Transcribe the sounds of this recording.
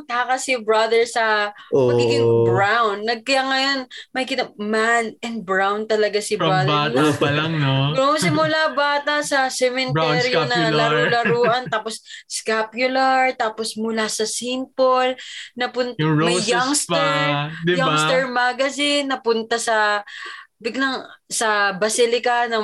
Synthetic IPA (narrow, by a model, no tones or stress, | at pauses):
t̪aːkɐsɪbɹɐd̪ɛɹsɐmɐɡɡiːɡɪŋbɾawnːɐɡ̚kɐjaŋɐjo̞nmɐjkɪnɐmanɛn̚bɹawnt̪ɐlɐɡasɪbad̪ɛn | ɡŋsɪmʊlabaːt̪ɐsɐsɛmɛnt̪ɛɾjanɐlɐɾulɐɾuːʔɐnt̪aːposskapjʊlɐɹt̪aːposmʊlasɐsimpolnɐpʊnt̪mɐjaŋst̪ɛɹjaŋst̪ɛɹmaɡɐzɪnːɐpʊnt̪ɐsɐ | bɪɡlɐŋsɐbɐsilɪkɐnɐ